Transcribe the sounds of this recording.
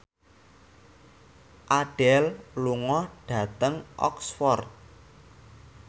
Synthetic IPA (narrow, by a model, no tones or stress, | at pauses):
ʔaɖ̥ɛlluŋɔhɖ̥ä̤t̪əŋʔɔ̰ksfɔrt̪̚